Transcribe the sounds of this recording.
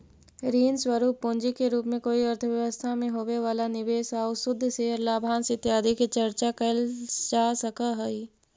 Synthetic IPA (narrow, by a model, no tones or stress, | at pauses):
ɾiːnswəɾuːpːõːnd͡ʒikeɾuːpmẽkoːiɐɾt̪ʰəʋjɐʋəst̪ʰamẽɦoːʋeʋaːlanɪʋeːsaʊsʊd̪ʱːseɾlaːbʱaːnsɪt̪jaːd̪ʱikit͡ʃɐɾt͡ʃakɐld͡ʒaːsɐkaɦɛi